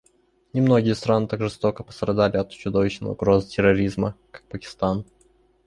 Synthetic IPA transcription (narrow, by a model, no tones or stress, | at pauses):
nʲɪmno̞ɡʲɪjəst̪ɾanɨt̪akʐɨst̪o̞kəpə̥st̪ɾɐd̪alʲɪɐt̪t͡ɕʊd̪o̞vʲɪɕnə̰j̰ʊ̰ɡɾo̞zɨtʲɪɾɐɾʲizməkḁk̚pəkʲɪ̥st̪an